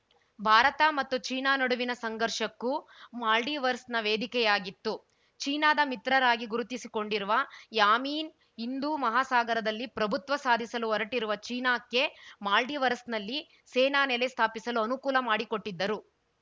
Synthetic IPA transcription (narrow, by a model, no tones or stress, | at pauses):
bʱaːɾɐt̪ɐmɐt̪ːut͡ʃiːnaːnɐɽuʋinɐsɐŋɡɐɾʂɐkːumaːlɖiːʋɐɾsnɐʋeːd̪ʱikɛjaːɡit̪ːu | t͡ʃiːnaːd̪ɐmit̪ɾɐɾaːɡiɡuɾut̪isiko̞ɳɖiɾuʋɐjaːmiːn | ind̪uːmɐɦaːsaːɡɐɾɐd̪ɐlːipɾɐbʱut̪ʋɐsaːd̪ʱisɐluɔɾɐʈiɾuʋɐt͡ʃiːnaːkːe̞maːlɖiʋɐɾsnɐlːi | sɛːnaːnɛlest̪ʰaːpisɐluɐnukuːlɐmaːɽiko̞ʈːid̪ːɐɾu